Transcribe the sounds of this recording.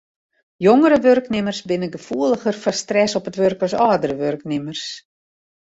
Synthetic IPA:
joŋəɾəʋørknɪmərsbɪnəɡəfuəlˠəxərfɔrstrɛsɔpətʋørkɔsɔːdəɾəʋørknɪmərs

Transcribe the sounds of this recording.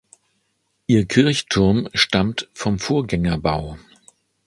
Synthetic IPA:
ʔiːɐkʰɪɐçtʰʊɐmʃtamtfɔmfoːɐɡɛŋɐbaʊ

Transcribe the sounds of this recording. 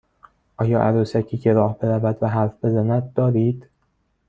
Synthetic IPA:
ʔɒːjɒːʔæɾuːsæcʰiːcʰe̞ɾɒːhbe̞ɾævæd̪væɦæɾfbe̞zænæd̪̚d̪ɒːɾiːd̪̥

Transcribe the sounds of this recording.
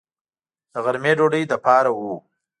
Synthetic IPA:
d̪̥əɣaɾmeɖoɖəjd̪əpɑɾawu

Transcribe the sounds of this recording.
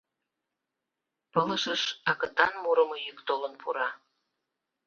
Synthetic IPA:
pələʃəʃɑkə̆t̪ɑnmuɾə̆mɤjykt̪olənpʰuɾɑ

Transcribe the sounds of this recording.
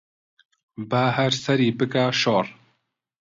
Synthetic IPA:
baɦɛɾsɛɾiːbɨkaːʃoːɾ

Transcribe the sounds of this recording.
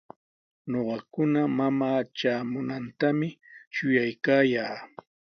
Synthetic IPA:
noɢɑkʊnamamaːʈ͡ʂaːmʊnant̪amɪʃʊjajkaːjaː

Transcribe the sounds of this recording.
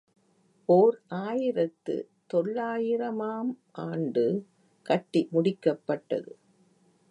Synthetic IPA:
ʔoːɾʔaːjɪɾɐt̪ːɯ̰ | t̪ɔɭːaːjɪɾɐmaːm | ʔaːɳɖɯ | kɐʈːimʊɽɪkːɐpːɐʈːɐ̰ðɯ

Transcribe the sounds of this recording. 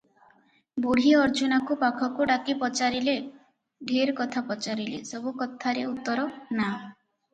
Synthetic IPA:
buɽ̤iɔɾd͡ʒunakupakʰɔkuɖakipɔt͡ʃaɾile | ɖʱiɾkɔt̪ʰapɔt͡ʃaɾilesɔbukɔt̪ʰaɾeut̪ːɔɾɔna

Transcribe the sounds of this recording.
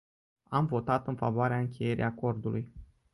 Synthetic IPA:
amvo̞t̪at̪ɨnfa̰voaɾeaɨŋkʲʰe̞je̞ɾḭʔako̞rd̪ulʔuj

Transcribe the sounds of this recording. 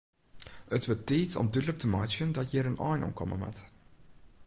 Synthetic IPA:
ətʋəteːtɔ̰mdydlək̚təmɑjt͡ʃjəndɔtjəɾənɔːjnʔɔ̰mkʰɔ̰mə̰mɛ̰t

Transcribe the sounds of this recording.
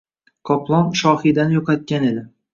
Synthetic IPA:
kʰɒplˠɒnʃɒhid̪anjoqʰɑt̪̚kʲanelɪ

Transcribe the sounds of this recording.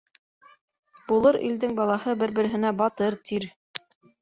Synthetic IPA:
bulˠɤɾʔḭld̪ɘŋbɑlˠɑhɤbɘɾbɘ̆ɾɘ̆ɦɘ̆næbɑt̪ɤɾt̪ʰiɾ

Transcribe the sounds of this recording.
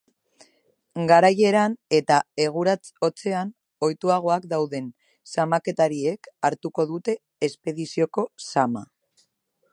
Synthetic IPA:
ɡaɾaje̞ɾane̞t̪ae̞ɣ̞uɾat͡so̞t͡se̞an | o̞jt̪uaɣ̞o̞akd̪awðe̞n | samake̞t̪aɾie̞kaɾt̪uko̞ðut̪e̞ː | spe̞ðisio̞ko̞sama̰

